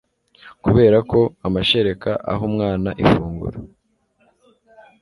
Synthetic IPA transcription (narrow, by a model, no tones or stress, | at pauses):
kuβe̞ːɾako̞amaʃe̞ɾe̞kaʔa̰ɦumŋaːnaʔifuːŋɡṵɾa